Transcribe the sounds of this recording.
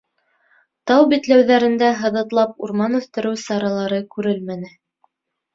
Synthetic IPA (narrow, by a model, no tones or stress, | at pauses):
t̪ɑwbit̪læwðæɾɘ̆nd̪æɦɤ̆ðɤ̆t̪lˠɑpuɾmɑnʉθt̪ɘ̆ɾɘwsɑɾɑlˠɑɾɤkʉɾɘlmænɘ